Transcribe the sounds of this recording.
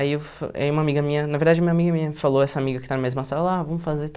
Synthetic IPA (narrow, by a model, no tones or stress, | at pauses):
ɐiewfa̰iũmɐamiɡɐmiɲɐnɐveɾd̪ad͡ʒɐmĩɲɐamiɡɐmiɲɐfalˠoɛsɐamiɣɐkɪ̥t̪anmejzmasaɾɐlˠavɐmʊfazeɾt̪